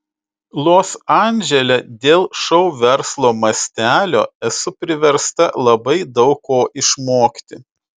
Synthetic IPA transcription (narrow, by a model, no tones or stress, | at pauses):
lˠoːsɑˑnʲd͡ʒʲɛlʲɛd̪ʲeːlˠʃɐʊʋʲɛɾslˠoːmɐsʲt̪ʲæːlʲo̰ːɛsʊpʲɾʲɪʋʲɛɾst̪ɐlˠɐbɐɪd̪ɒʊkːoːʔɪʃmoːkʲt̪ʲɪ